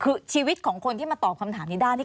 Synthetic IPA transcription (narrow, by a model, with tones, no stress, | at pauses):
kʰɯː˧t͡ɕʰiː˧wi˦˥t̪̚kʰɔː˩˦ŋkʰo˧nt̪ʰiː˥˩ma˧t̪ɔː˨˩p̚kʰa˧mt̪ʰaː˩˦mniː˧˩daː˥˩j̪ʰi˥˩